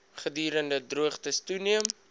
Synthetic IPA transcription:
χədyːɾəndədruəχtəstuniəm

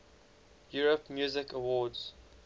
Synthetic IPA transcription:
juːɹəpmjuːzɪkəwɔːdz̥

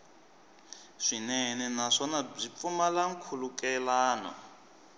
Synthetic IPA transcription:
ʂinɛnɛnaʂɔnab͡ʐip̪fumalaŋ̩kʰulukɛlaːnɔ̰

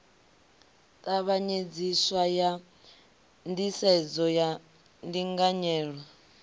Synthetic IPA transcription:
tʼaβaɲed͡ziswaja | ndisɛd͡zɔja | ndiŋɡaɲɛːɺwa

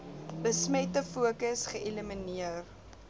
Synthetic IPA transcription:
bəsmɛtəfuəkəsχəeləminiər

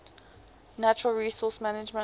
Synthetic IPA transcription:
nat͡ʃəɹəlˠɹiːsɔˑsmanɪd͡ʒmə̃

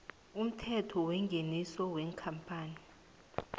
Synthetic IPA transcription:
um̩tʰɛtʰɔwɛŋɡʱenisɔwɛːŋkʰampʼaːni

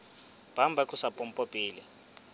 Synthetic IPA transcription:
b̥ʱambʱakusapʼɔm̩pʼopʼiːli

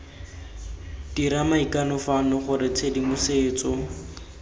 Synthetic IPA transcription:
d̥iɾamaikanɔfanɔχʊɾɪt͡sʰedimʊseːt͡sɔ

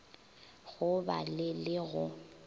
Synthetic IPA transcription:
ɣʊba̰lɪlɪɣʊ

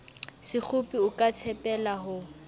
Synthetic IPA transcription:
sɪk͡xʰʊpʼiʊkʼat͡sʰɛpʼɛlaɦʊ

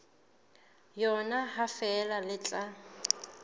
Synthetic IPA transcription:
jɔnaɦafɛlalɪt͡ɬʼa

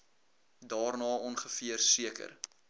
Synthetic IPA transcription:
dɑːrnɑːɔnχəfiərsiəkə̰r

